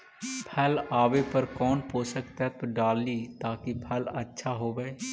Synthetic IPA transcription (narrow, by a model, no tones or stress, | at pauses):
pʰɛːlaːʋepəɾkɔːnpoːsəkt̪ɦɛt̪oɖaːlːiːt̪aːkipʰɛlətːʃʰaɦoːɡəeː